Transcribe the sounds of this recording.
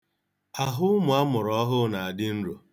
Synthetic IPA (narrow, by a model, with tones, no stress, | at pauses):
a˨ɦʊ˦mʊ˨a˦mʊ˨ɾɔ˦ɦʊ˦na˨a˨dɪ˦n̩˦ɾo˨